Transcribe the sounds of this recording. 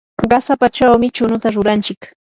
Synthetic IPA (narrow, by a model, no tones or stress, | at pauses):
ɢɑsapat͡ʃawmɪt͡ʃʊnʊt̪aɾʊɾant͡ʃɪk